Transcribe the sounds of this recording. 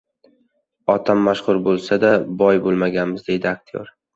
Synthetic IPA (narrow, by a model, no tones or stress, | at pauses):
ɒt̪ʰamːaʃχʊɾbolˠsad̪abɒjbolˠmaɡʲanmɪzd̪e̞jd̪ɪak̚t̪ʰijo̰ɾ